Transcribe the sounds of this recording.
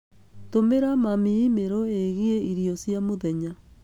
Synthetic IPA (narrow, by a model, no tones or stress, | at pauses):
tomeɾamamiimeɾɔeɣieiɾiɔsjamoðɛɲa